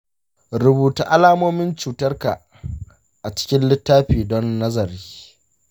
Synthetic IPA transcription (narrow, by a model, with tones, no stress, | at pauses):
ɾʊ˨buː˨tu˦ʔa˦laː˦moː˦mɪ˦nt͡ʃuː˨tɐ˦rka̰˨ | ʔa˨t͡ʃɪ̥˦kʲɪ˦nlɪ˦tːaː˦ɸiː˨dɔ˦nːɐ˦zɐ˨ɾiː˦